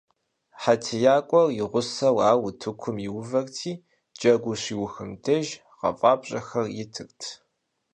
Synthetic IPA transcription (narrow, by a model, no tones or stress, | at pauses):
ħatʰɨjaːkʷʼɔrjɪʁʷʊsɐwaːwʊtʰɨkʷʰʊmjɪwʊvɐrtʰiː | d͡ʒɐɡʷʊɕiːwʊxɨmdʰɐʒ | qɐ̰fʼɑːbɕʼɐxɐrjɪtʰɨrtʰ